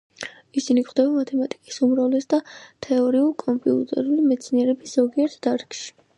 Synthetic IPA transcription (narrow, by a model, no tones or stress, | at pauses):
isinikχd̪ɛbamat̪ʰɛmat̪ʼi̥kʼi̥sumɾavlɛsd̪at̪ʰɛɔɾiuɾkʼɔmpʼiṵt̪ʼɛ̰ɾulimɛt̪sʰniɛɾɛbiszɔɡiɛɾt̪ʰd̪̥aɾkʼʃi̥